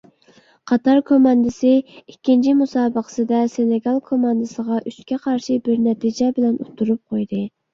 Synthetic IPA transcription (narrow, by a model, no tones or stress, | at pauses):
qʰɑt̪ɑɾkʰomɑnd̪ɨsɪikʲʰːint͡ʃʰimusɑːbəqʰə̥sɨd̪ɛsenɪɡɑlˠkʰomɑnd̪ɨsəʁɑʔyskʲɛqʰɑɾʃibɪɾnɛt̪ʰid͡ʒɛbɪlɛnot̪ʰːuɾup̚qʰojd̪ɨ